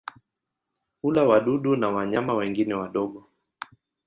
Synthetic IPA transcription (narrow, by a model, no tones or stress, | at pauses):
ulawaɗuɗunawaɲamawɛŋɡinɛwaɗɔɠɔ